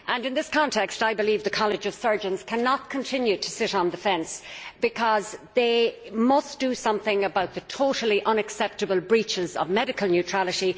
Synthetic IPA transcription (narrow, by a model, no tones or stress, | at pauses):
ʔə̃nɨ̃nðɪskʰɑ̃ntʰɛkstaɪbɨlivðəkʰɑlˠɨd͡ʒʌv̥sɜ˞d͡ʒə̃nz̥kʰænət̚kʰə̃ntʰɪ̃njʉɾʰəsɪɾn̩dɨfɛ̃nsb̥ɨkʰʌzðeɪmʌsd̥əsʌ̃mθɪ̃ŋəbaʊt̪̚ðɨtʰoʊɾl̩ˠiʔʌ̃nɨksɛp̚tɨbəlˠbɹit͡ʃɪzʌ̰vmɛɾɨkəl̩ˠnjʉtʰɹ̥alˠɨɾi